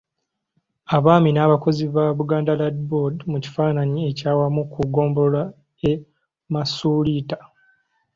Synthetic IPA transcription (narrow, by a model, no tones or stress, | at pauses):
aβaːminaːβako̞ziβaβuɡaːndaladbodmuci̥faːnaɲie̞caːwamukuɡo̞ːmbo̞la | e | masuliːtḁ